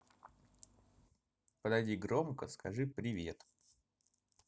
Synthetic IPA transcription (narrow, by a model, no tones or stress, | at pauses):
pəd̪ɐjdʲiɡɾomkəskɐʐɨpɾʲɪvʲe̞̰t̪